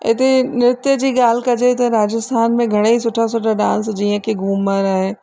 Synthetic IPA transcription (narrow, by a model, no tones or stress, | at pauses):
ɪt̪enɪɾɪt̪jəd͡ʑiːɠaːl̤ɪkɐd͡ʑet̪ɐɾaːd͡ʑɪst̪ʰaːnmẽɡʱɐɽ̃eisʊʈʰas̬ʊʈʰaɖãːnsd͡ʑiːə̃kʰeɡʱuːməɾaːɦe